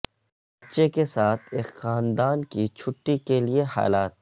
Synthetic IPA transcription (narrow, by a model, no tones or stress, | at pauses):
bbɐtːʃekesaːt̪ʰeːkxaːnd̪aːnkit͡ʃʰʊʈːikelieha̰ːlaːt̪̚